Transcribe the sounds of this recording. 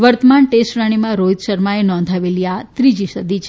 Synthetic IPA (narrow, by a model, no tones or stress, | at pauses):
ʋəɾt̪əmaɳʈesʈɾaɽ̃imãɾot̪ʃəɾmaenɔ̃nd̪ʱaʋeliat̪ɾid͡ʒiʃəd̪it͡ʃʰ